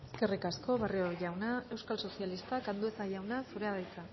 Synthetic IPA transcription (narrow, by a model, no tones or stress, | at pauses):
eske̞rikasko̞βarioʝawnae̞wskalso̞sjalist̪akand̪ue̞saʝawnasuɾe̞að̞ajt͡sa